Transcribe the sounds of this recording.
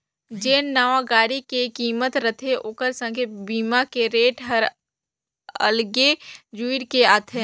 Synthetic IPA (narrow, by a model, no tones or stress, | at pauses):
d͡ʒeːnnaːʋaɡaːɾikekiːmət̪ɾət̪ʰeʔʊkəɾsə̃ŋkʰebiːmakeɾeːʈɦəɾ | ə̰lɡed͡ʒuiɾkeaːt̪ʰe